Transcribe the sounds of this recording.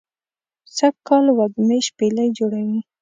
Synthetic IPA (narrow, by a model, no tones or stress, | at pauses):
sakkːɑlwad̪mejʃpelajd͡ʒoɽawi